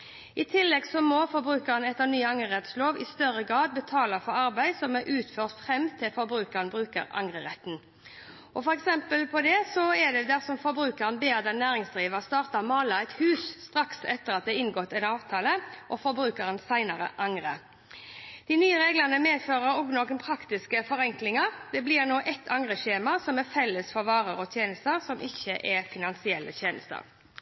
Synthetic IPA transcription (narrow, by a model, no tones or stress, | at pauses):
ɪt̪ʰɪlːɛɡsɔmɔfɔbɾʉːkəʁənɛt̪ːənyːɑŋʁəʁɛt̪sloːʋɪ̰st̪œʁəɡʁɑːd̪̚bət̪ʰɑːlɑfɔɾɑɾbæɪsɔmɛɾʔʉːt̪føːʁt̪fʁɛmt̪ʰɪlfɔbɾʉːkəʁənbʁʉːkə̰ʁɑ̰ŋʁəʁɛt̪n̩ | ʔɔfɔɾɛksɛmpəlpʰɔd̪ɛsɔɛd̪ɛd̪æʁsɔmfɔɾbɾʉːkɑʁənbeːd̪ɛnæːʁɪŋsd̪ʁiːʋəʁst̪ɑːʁt̪ɑmɑːləæɪt̪hʉːsst̪ʁɑksɛt̪ːəʁɑt̪̚d̪ɛɪnɡɔt̪ːɛnɑːʋt̪ʰɑːləʔɔfɔɾbɾʉːkɑɾənsæɪnɑɾə̰ʔɑŋɾə | d̪̥ɪnyːəɾeːɡlənəmeːd̪føːʁəɾɔɡnoːkənpʰɾɑkt̪ɪskəfɔɾɛŋklɪŋəɾd̪ɛblɪːʁnoːʔɛt̪ʰːɑŋʁəʃeːmɑsɔmɛfɛlːəsfɔʋɑːɾəɾɔt̪ʰjeːnəst̪əɾsɔmʔɪçːəʔɛfɪnɑnsɪɛlːʔə̰t̪ʰjeːnə̰st̪ə̰ʁ